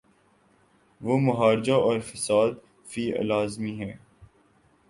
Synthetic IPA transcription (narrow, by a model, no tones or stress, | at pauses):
ʋoːmʊɦaːɾɪd͡ʒaɔːɾfɪsaːd̪ | fḭːlaːzmiɦɛ̃ː